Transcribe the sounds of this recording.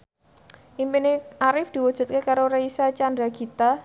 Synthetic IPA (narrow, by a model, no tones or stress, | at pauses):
ʔimpineʔaɾɪfd̪̥i̤wud̥ʒ̥ṳt̪̚kekaɾoɾeisat͡ʃand̪ɾaɡit̪a